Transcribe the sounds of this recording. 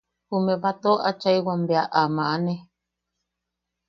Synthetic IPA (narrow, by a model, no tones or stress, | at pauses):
humẽβat̪oʔat͡ʃaiwambeaʔamãʔanẽ